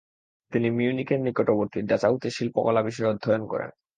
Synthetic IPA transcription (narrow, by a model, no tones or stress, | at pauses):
t̪inimiunikeɾnikoʈoboɾt̪iɾɖat͡ɕaut̪eʃilpokɔlabiʃɔeɔd̪ʱːɔjonkɔ̰ɾḛn